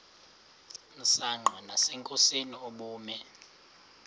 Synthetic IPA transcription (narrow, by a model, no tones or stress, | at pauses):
m̩saŋ͡ǃʱɔnasɛŋkʼosinioɓuːmɛ